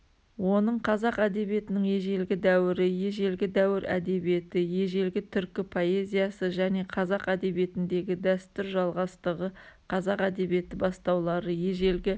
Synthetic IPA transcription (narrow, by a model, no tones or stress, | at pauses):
wo̞nəɴqʰɑzɑqæd̪e̞bije̞t̪ɪnɪŋje̞ʒe̞lɡʲɪd̪æwɪɾɪje̞ʒe̞lɡʲɪd̪æwɪɾæ̰d̪e̞bije̞t̪ɪje̞ʒe̞lɡʲɪt̪ʰʏɾkʲɪpʰo̞e̞zʲijɑsəʒæne̞qʰɑzɑqæd̪e̞bje̞t̪ɪnd̪e̞ɡʲɪd̪æst̪ʏɾʒɑlˠʁɑst̪əʁəqʰɑzɑqæd̪e̞bije̞t̪ɪbɑst̪ɑwlˠɑɾəje̞ʒe̞lɡʲɪ